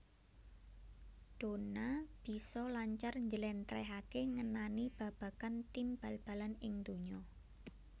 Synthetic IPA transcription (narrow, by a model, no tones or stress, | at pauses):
d̪̥o̤nab̥i̤sɔlaɲt͡ʃarɲd͡ʒəlɛnt̪ɾɛɦakeŋənanib̥ä̤b̥ä̤kant̪imb̥alb̥ä̤lanɪŋd̪̥o̤ɲɔ